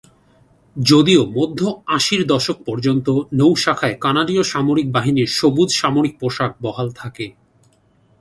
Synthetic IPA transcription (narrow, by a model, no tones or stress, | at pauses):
d͡ʑod̪iomod̪ʱːoaʃiɾd̪ɔʃok̚pɔɾd͡ʑont̪onowʃakʰaekanaɖioʃamoɾik̚baɦiniɾʃobud̪ʱʃamoɾik̚poʃak̚bɔɦalt̪ʰake